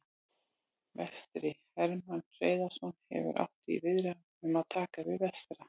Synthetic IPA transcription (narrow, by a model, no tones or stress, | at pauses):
vɛst̪ɾɪhɛɾmanr̥eːjðasɔnhɛ̰vʏ̰ɾʔa̰ft̪ivɪðɾa | ɛmaðt̪ʰaːkavɪðvɛst̪ɾa